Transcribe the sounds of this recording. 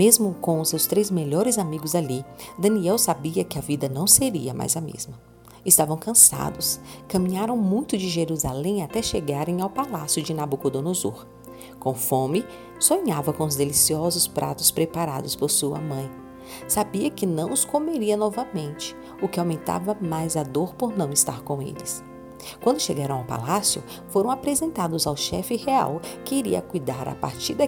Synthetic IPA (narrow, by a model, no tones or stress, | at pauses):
mezmʊkõw̃ʊsewst̪ɾejzmeʎɔɾɪzamiɡʊzalid̪ɐ̃niɛwsabiɐkɪɐvid̪ɐnɐ̃w̃seɾiɐmʔa̰jzɐmḛzmɐ | ɪst̪avɐ̃w̃kɐ̃sa̰d̪ʊskɐ̃mĩɲaɾɐ̃w̃mũj̃t̪ʊd͡ʒɪʒeɾuzalẽj̃at̪ɛʃeɡaɾẽj̃awpalasjʊd͡ʒɪnabukʊd̪onozṵɾ | kõfõmɪ | sõɲavɐkõʊzd̪elisiɔzʊspɾʔa̰t̪ʊspɾepaɾa̰d̪ʊspoɾsuɐ̰mɐ̃j̃ | sabiɐkɪnɐ̃w̃ʊskomeɾiɐnɔvɐmẽnt͡ʃɪ̥ | ʊkɪawmẽnt̪a̰vɐmajzad̪oɾpoɾnɐ̃w̃ɪst̪a̰ɾkõḛlɪs | kwɐ̃nd̪ʊʃeɡaɾɐ̃w̃awpa̰lasjʊ̰ | foɾɐ̃w̃apɾezẽnt̪ad̪ʊzawʃɛfɪhea̰wkɪiɾḭɐ̰kujd̪aɾa̰pa̰ɾt͡ʃiɾd̪ɐ